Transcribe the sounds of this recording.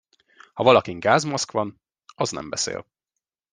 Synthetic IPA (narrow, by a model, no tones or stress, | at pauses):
hɒvɒlɒkiŋɡaːzmɒskʋɒn | ɒznɛ̰mbɛsḛːl